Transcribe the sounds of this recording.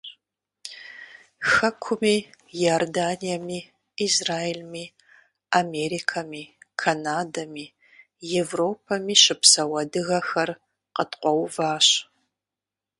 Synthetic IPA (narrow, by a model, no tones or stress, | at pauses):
xɐkʷʰʊmiː | jordaːnijɐmiː | izraːelmiː | ameɾikʰɐmiːkʰanaːdɐmiː | jɛvroːpʰɐmiːʃɪpsɐwɐdɨɣɐxɐr | qətʰqʷʼɔwvaːɕ